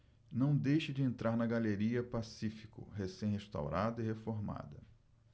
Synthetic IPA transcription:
nɐ̃w̃d̪ejʃɪd͡ʒɪẽnt̪ɾaɾnɐɡaleɾiɐpasifikʊ̰ɦesẽj̃ɦeʃt̪a̰wɾad̪ʊihefoɾma̰d̪ɐ

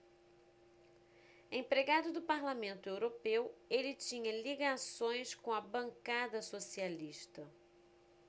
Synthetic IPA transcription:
ẽj̃pɾeɡad̪ʊd̪ʊpaɾlamẽnt̪ʊewɾopewelɪt͡ʃĩɲɐliɡasõj̃skõɐbɐ̃ŋkad̪ɐsosialiʃt̪ɐ

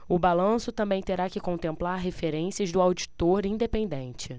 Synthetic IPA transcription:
ʊbalɐ̃sʊt̪ɐ̃mbẽj̃t̪eɾakɪkõnt̪ẽmplaɾɦefeɾẽsiɐzd̪ʊawd͡ʒit̪oɾĩd̪epẽnd̪ẽnt͡ʃɪ

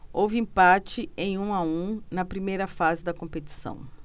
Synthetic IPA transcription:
owvɪĩpat͡ʃɪẽj̃ũaũnɐpɾimejɾɐfazɪd̪ɐkõpet͡ʃi̥sɐ̰̃w̃

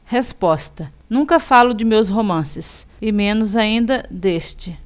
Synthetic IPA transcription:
hespɔst̪ɐ | nũŋkɐfalʊd͡ʒɪmewsɦomɐ̃sɪs | ɪmẽnʊzaĩnd̪ɐd̪est͡ʃɪ

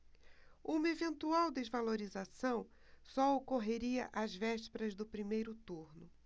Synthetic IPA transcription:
ũmɐevẽnt̪uawd̪ezvaloɾizasɐ̃w̃ | sɔokoɦeɾiɐʔazvɛʃpeɾɐzd̪ʊpɾimejɾʊt̪uɾnʊ

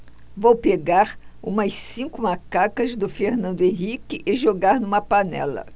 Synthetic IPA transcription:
vowpeɡaɾũmɐssĩkʊmakakɐzd̪ʊfeɾnɐ̃nd̪ʊẽɦikɪʔɪʒoɡaɾnũmɐpanɛ̰lɐ̰

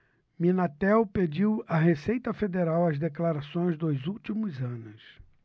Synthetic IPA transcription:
minat̪ɛwped͡ʒiwɐɦesejt̪ɐfed̪eɾawɐzd̪eklaɾasõj̃zd̪ojzuwt͡ʃimʊzɐ̃nʊs

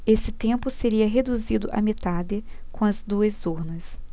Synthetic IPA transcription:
esɪt̪ẽmpʊseɾiɐɦed̪uzid̪ʊʔɐ̰met̪ad̪ɪkõɐzd̪uɐzuɾnɐs

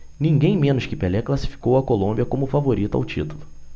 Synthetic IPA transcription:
nĩɡẽj̃mẽnʊʃkɪpelɛklasi̥fi̥kowɐkolõmbiɐkõmʊfavoɾit̪ʊa̰wt͡ʃit̪ulʊ

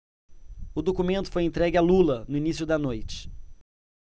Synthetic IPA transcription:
ʊd̪okumẽnt̪ʊ̥fojẽnt̪ɾɛɡɪalulɐnʊinisjʊd̪ɐnojt͡ʃɪ̥

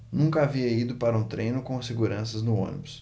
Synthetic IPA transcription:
nũkɐaviɐid̪ʊpaɾɐũt̪ɾẽjnʊkõɐseɡuɾɐ̃sɐznʊõ̰nḭbus

